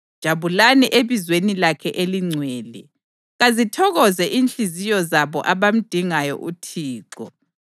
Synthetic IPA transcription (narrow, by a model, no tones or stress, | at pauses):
d̥ʒ̥ʱaβulaniʔeβizwenilakʰɛʔeliŋ͡ǀʱwɛːlɛ | ɣazitʰɔɣɔzɛʔiːnt͡ɬizijɔzaβɔ̰ʔaβam̩d̥ʱiŋajɔ̰ʔutʰiːǃɔ̰